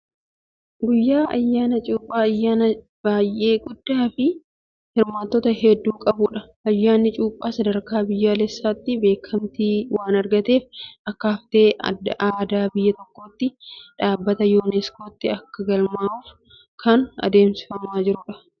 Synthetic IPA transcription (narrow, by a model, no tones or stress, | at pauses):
ɡʊjːaːʔɐ̰jːaːnɐt͡ʃʼuːpʼːaːɐjːaːnɐ | b̥aːjʔe̞ːɡʊd̪̥ːaːfɪ | hɪɾmaːt̪ːɔt̪ɐhɛd̪ːuːkʼɐbʊᶑɐ | ʔɐjːaːnːɪt͡ʃʼuːpʼːaːsɐd̪ɐɾkaːbɪjːaːlɛsːaːt̪ːɪbe̞ːkʰːɐmt̪iːwaːnɐɾɡɐt̪e̞ːfɐkːɐɐft̪e̞ːaːd̪aːbɪjːɐt̪ɔkːo̞ːt̪ːɪᶑaːbːɐt̪ɐjoːnɛsko̞ːt̪ːɪɐkːɐɡɐlmaːuːf | kʰɐnɐ̰d̪e̞ːmsɪ̥fɐmaːd͡ʒɪɾʊᶑɐ̥